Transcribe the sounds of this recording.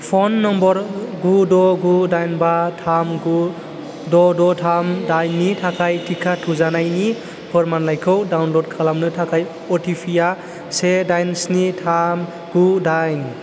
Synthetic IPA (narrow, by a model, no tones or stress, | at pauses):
pʰɔnːɔmbɔɾɡudɔɡudajnbatʰamɡu | dɔdɔtʰamdajnːitʰakʰajtʰikʰatʰuzanajni | pʰɯɾmanlajkʰɯwdawnlod̚kʰalamnɯtʰakʰaj | ɔtʰipʰija | sedajnsnitʰam | ɡudajn